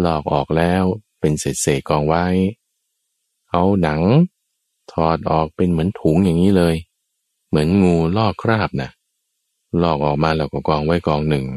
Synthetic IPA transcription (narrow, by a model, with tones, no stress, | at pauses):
lɔː˥˩k̚ʔɔː˨˩k̚lɛː˦˥wpe˧nseː˨˩t̪̚seː˨˩t̪̚kɔː˧ŋwa˦˥j | ʔa˦˥wna˩˦ŋ | t̪ʰɔː˨˩t̪̚ʔɔː˨˩k̚pe˧nmɯ˩˦ənt̪ʰu˨˩˦ŋjaː˨˩ŋːiː˦˥lɤː˧j | mɯ˩˦ənŋuː˧lɔː˥˩kʰɾaː˥˩p̚na̰˧˩ʔ | lɔː˥˩k̚ʔɔː˨˩k̚maː˧lɛː˧˩wkɔː˧˩kɔː˧ŋwa˦˥jkɔː˧ŋnɯ˨˩ŋ